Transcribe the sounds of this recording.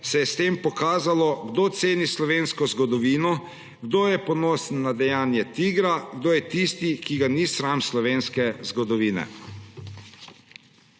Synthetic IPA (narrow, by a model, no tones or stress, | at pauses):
sɛjɛst̪eːmpɔkaːzalɔɡd̪oːt̪seːnislɔʋeːnskɔzɡɔd̪ɔʋiːnɔ | ɡd̪oːjɛpɔnoːsnːad̪ɛjaːnjɛt̪iːɡɾaɡd̪oːjɛt̪ist̪ikiɡanisɾamslɔʋeːnskɛzɡɔd̪ɔʋiːnɛ̰